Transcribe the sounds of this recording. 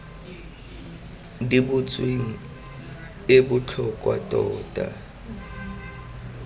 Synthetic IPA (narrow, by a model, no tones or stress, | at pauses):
dibʊt͡sʼweŋ̩ | ɪbʊt͡ɬʰɔkʼwatʼɔːtʼa